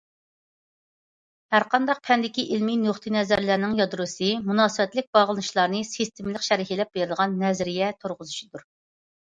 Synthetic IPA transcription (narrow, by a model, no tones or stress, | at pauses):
hæɾqʰɑnd̪ɑq̚pʰɛnd̪ɪkʲiʔilminoχt̪ʰɨnɛzæɾlæɾnɪŋjɑd̪ɾusɨmunɑːsɨwɛt̪lɪk̚ʲbɑʁlˠɨnɨʃlˠɑɾnɨsist̪ʰɪmlɪkʃɛɾiɦilɛp̚b̥eɾɪləʁɑnːɛzɾijɛt̪ʰoɾʁʊzɨʃid̪uɾ